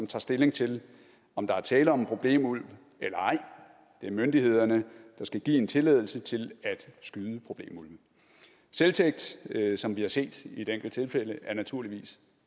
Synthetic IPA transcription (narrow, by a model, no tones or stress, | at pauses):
ɒmt͡sʰɑ̰̈ːsd̥e̝le̝ŋt͡sʰe̝l | ɒ̽md̥ɑ̈æɐt͡sʰɛːləɒ̽mpʰʁo̝b̥le̝̰ːmul̰ʋ | elɐɑ̈ɪ̰ | d̥e̝æɐmønd̥ihe̝ð̞̰ˠɐnəd̥ɑ̈sɡ̥æɡ̥ḭːe̝nt͡sʰe̝leð̞ˠl̩sət͡sʰe̝læd̥sɡ̥yðˠəpʰʁo̝b̥le̝̰ːmul̰ʋ | selt͡sʰeɡ̥̚d̥sɒ̽mʋihɑ̈se̝̰ːd̥ie̝d̥eŋ̰ɡ̥l̩d̥̚t͡sʰe̝lfeləʔæɐnæt͡sʰuɐ̰liʋḭːs